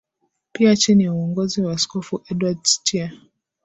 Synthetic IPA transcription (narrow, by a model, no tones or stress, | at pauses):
piat͡ʃiniuɔŋɡɔziwaskɔfuʔɛdwadstia